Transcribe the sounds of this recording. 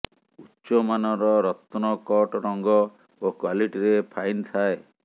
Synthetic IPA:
utːʃɔmanɔɾɔɾɔt̪nɔkɔʈɾɔŋɡɔ | okwaliʈiɾepʰajnt̪ʰae

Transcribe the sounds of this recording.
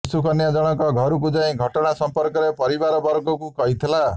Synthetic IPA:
sukɔnjad͡ʒɔɽ̃ɔkɔɡʱɔɾuk̬ud͡ʒaĩɡʱɔʈɔɽ̃asɔmpɔɾkɔɾepɔɾibaɾɔbɔɾɡɔkukɔɦit̪ʰila

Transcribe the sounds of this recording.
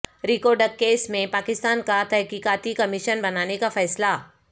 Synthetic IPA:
ɾikɔːɾɖəɾkeːsmẽpaːkɪst̪aːnkat̪ɛɦkiːkaːt̪ikɐmɪʃənbɐnaːnekafɛːsla

